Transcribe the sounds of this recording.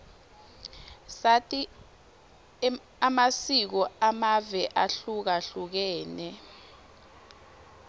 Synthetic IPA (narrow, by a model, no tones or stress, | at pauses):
satʼi | amasik̬ɔamavɛʔaɬuk̬aɬuk̬ɛːnɛ